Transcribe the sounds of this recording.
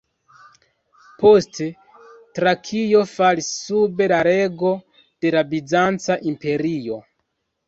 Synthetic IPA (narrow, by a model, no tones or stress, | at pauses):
poste | tɾakʰijo̞faɾisːube̞laɾe̞ɡo̞ | d̥e̞labizant͡saʔimpe̞ɾio̞